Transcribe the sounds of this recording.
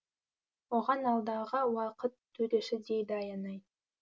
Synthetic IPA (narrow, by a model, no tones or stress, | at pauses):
woʁɑnɑlˠd̪ɑʁəwɑqət̪ːʰɵd̪eʃɪd̪ejd̪ɑjɑnɑj